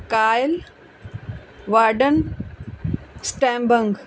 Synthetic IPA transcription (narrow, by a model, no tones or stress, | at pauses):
kaːjl | ʋaːɖən | sʈɛ̃ːmbə̃ŋɡ